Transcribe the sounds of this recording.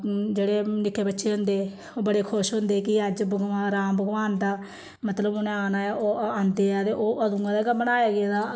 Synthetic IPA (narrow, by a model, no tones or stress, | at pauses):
d͡ʒeːɽeːnɪkːeːbətːʃeːɦʊ̃nd̪eː | oːbəɽeːkʰʊʃɦʊ̃nd̪eːkɪəd͡ʒbəɡʋãːɾaːmbəɡʋaːnd̪aː | mət̪ləbonẽaːnaːjaːʔoːãːnd̪eːaːt̪eːʔoːʔəd̪ũːãːd̪ekabəɽaːjeːɡeːd̪aː